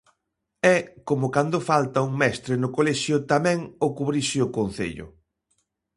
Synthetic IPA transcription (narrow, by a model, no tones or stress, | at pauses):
ɛkomʊkand̪ʊfalt̪ɐuŋmɛst̪ɾɪnʊkolɛʃjʊt̪amɛ̃ŋokuβɾiʃɪʊkon̟θḛʎʊ̰